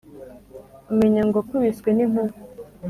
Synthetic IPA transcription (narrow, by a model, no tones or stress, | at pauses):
umeɲaŋɡoakuβiswenim̥huɾ